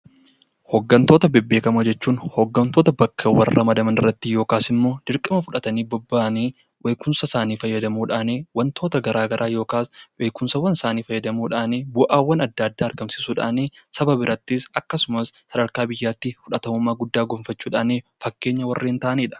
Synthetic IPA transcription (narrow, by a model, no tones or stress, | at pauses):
hɔɡːɐnt̪o̞ːt̪ɐbɛbːeːkɐmɐd͡ʒɛt͡ʃːuːnhɔɡːɐnt̪o̞ːt̪ɐbɐkːɐwɐrːɐmɐd̪ɐmɐnɪrːɐt̪ːɪjo̞ːkaːsɪmːo̞ːd̪̥ɪɾkʼɪmɐfʊᶑɐt̪ɐniːbɔbːaːʔniː | wʔeːkʊnsɐsaːniːfɐjːɐd̪ɐmuːᶑaːneːwɐnt̪oːt̪ɐɡɐɾʔaːɡɐɾʔaːjo̞ːkaːsweːkʊnsɐwɐnsaːniːfɐjːɐd̪ɐmuːᶑaːneːbʊʔaːwːɐnɐd̪ːɐɐd̪ːaːɾɡɐmsɪ̥suːᶑa̰ːneːsɐbɐbɪɾʔɐt̪ːɪsɐkːɐsʊmɐsːɐd̪ɐɾkaːbɪjːaːt̪ːɪfʊᶑɐt̪ɐmʊmːaːɡʊd̪ːaːɡoːmfɐt͡ʃːuːᶑa̰ːneːfɐkːe̞ːɲːɐwɐrːeːnt̪ɐʔniːᶑɐ̥